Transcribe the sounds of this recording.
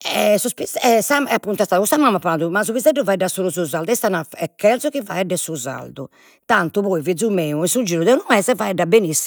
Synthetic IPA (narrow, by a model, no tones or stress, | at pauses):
ɛɛsuspiɛsamɛapːunt̪ast̪aːðukust̪amamːapalaːd̪umasuβizɛɖːɔvaɛɖːasolusuzald̪ɛst̪anaɛkʰːɛlzɔkiva̰ɛɖːɛsuza̰ld̪ṵ | t̪ant̪upɔivid̪zumeuinsud͡ʒiːɾud̪ɛunɔɛzɛvaɛɖːabenisːi